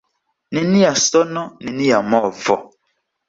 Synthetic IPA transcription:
ninijasɔnɔninijamɔːvɔ

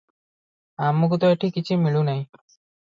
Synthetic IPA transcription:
amuk̬ut̪ɔeʈʰikit͡ʃʰimiɭunaj̃

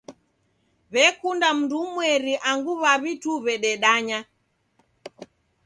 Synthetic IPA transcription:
βɛkundam̩ndumwɛɾiʔaŋɡuβaβituβɛɗɛɗaɲa

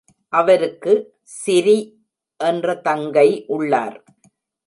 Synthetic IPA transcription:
ʔɐʋɐɾɯkːɯ | sɪɾi | ʔɛndrɐt̪ɐŋɡɐɪʔʊɭːa̰ːɾ

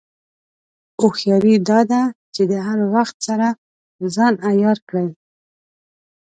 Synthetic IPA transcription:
oxjɑɾid̪ɑd̪at͡ʃed̪əɦaɾwaxt̪̚saɾa | zɑnajɑɾkɽəj

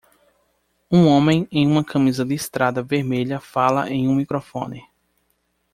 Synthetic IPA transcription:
ũõmẽj̃ẽj̃ũmɐkʰɐ̃mizɐd̪ɪst̪ɾad̪ɐveɾmeʎɐfalɐʔẽj̃ũmikɾofõ̰nɪ

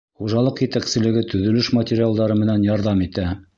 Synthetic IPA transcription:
χuʒɑlˠɤqjɘ̆t̪æksɘ̆lɘ̆ɡɘt̪ɵ̆ðɵ̆lɘʃmɐtʲɪɾʲɪalˠd̪ɑɾɤmɘ̆nænjɑɾðɑmit̪æ

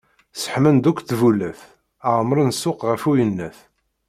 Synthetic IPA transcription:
sə̥ħmənd̪ukʷːθvulæθ | æʁəmɾˤənsʊqʁəfujənːæθ

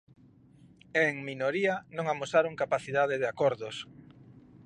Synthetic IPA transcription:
eŋminoɾianõŋamosaɾoŋkapaθiðað̞ɪðeakoɾðos

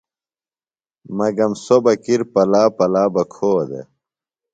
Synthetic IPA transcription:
mɐɡɐmsobɐkiɾpɐlaːpɐlaːbɐkʰoːd̪ḛ

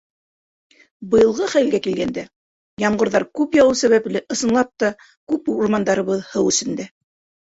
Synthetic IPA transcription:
bɤ̆jɤ̆lˠʁɤχæjlɡækilɡænd̪æ | jɑmɢɤ̆ɾðɑɾkʉpjɑwɤsæβæplɘʔɤ̆sɤ̆nlˠɑp̚t̪ɑ | kʉpuɾmɑnd̪ɑɾɤ̆βɤðhɤwɵ̆sɘ̆nd̪æ

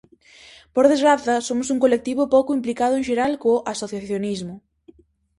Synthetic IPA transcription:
poɾðezɣɾaθɐsomʊsuŋkolek̚t̪iβʊpowkʊimplikað̞ʊẽʃeɾalkoʔasoθjaθjonizmʊ

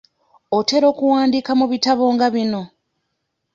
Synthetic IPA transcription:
o̞te̞ɾo̞ːkuwaːndiːkamuβitaβo̞ːŋɡaβino̞

